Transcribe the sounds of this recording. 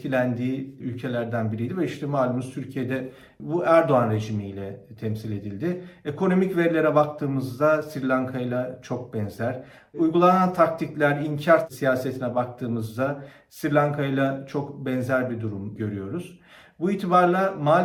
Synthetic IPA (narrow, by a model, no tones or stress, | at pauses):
ilʲænd̪iːylʲcʰe̞lʲæɾd̪ænbiɾijd̪ivɛiʃt̪ʰɛmaːlʲˠɯmɯzt̪ʰyɾcʰije̞d̪ɛ | buʔæɾd̪o̞anɾe̞d͡ʒimijlʲɛt̪ʰɛmsilʲe̞d̪ilʲd̪ɪekʰo̞no̞micveɾlʲe̞ɾɛbak̚t̪ʰɯːmɯzd̪asiɾlʲaŋkʰajlˠat͡ʃʰo̞k̚bɛnzæɾ̥ | ujɡulˠanant̪ʰak̚t̪ʰiclʲæɾiɲcʰaɾsijaːse̞t̪ʰinɛbakt̪ʰɯːmɯzd̪a | siɾlʲaŋkʰajlˠat͡ʃʰo̞kbɛnzæɾbid̪uɾumɟø̞ɾyjo̞ɾuz̥ | buiːt̪ʰibaɾlˠamaː